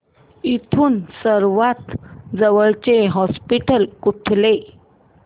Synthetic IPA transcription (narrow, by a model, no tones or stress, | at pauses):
it̪ʰuːnsəɾʋat̪d͡zəʋəɭt͡ɕeɦɔspiʈəlkuʈʰle